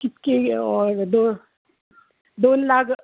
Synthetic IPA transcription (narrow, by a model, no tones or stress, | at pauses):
kɪt̪keɔɾd̪o | d̪oːnlaɡ